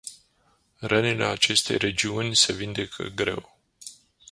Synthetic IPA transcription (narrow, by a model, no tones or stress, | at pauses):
rənile̞̰at͡ʃe̞st̪e̞̰jre̞d͡ʒiunʲse̞vind̪e̞kʰə̰ɡɾe̞̰w